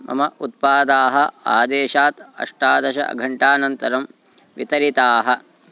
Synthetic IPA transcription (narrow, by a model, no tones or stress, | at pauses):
mɐ̰mɐʔut̪̚paːd̪aːɦɐaːd̪eːʃaːt̪ɐ̰ʂʈaːd̪ɐʃɐ̰ɐ̰ɡʱɐɳʈaːnɐnt̪ɐɾɐm | ʋḭt̪ɐɾit̪aːɦɐ̆